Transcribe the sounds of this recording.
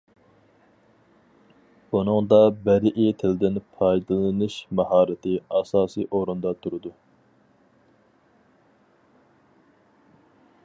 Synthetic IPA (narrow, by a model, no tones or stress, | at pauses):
bunɨŋd̪ɑbɛɾɪʔit̪ʰɪlɪd̪ɪnpʰɑjd̪ɨlˠɨnɨʃmɑɦɑːɾɪt̪ʰɪɑsɑːsijʔoɾund̪ɑt̪ʰuɾɨd̪u